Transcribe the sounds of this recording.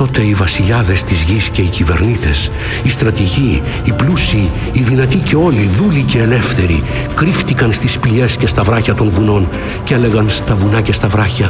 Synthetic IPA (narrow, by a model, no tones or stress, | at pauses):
o̞t̪e̞ivɐsiʎɐðe̞st̪izʝisce̞icive̞ɾnit̪e̞s | ist̪ɾɐt̪iʝiː | plusiː | ðinɐt̪ice̞o̞liðulice̞ːle̞fθe̞ɾḭ | kɾift̪ikɐnst̪ispiʎe̞sce̞st̪ɐvɾɐçɐt̪o̞nvuno̞n | ce̞le̞ɣɐnst̪ɐvunɐce̞st̪ɐvɾɐçɐ